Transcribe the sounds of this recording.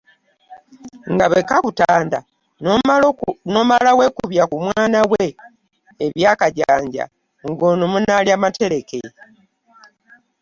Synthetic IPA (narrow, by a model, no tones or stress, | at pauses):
ŋɡaβekaβutaːnda | no̞malawe̞kuβjakumwaːnawe̞ː | βjaːkaɟaːɲɟa̰ | ŋɡonomunaljamatʰe̞ɾe̞ke̞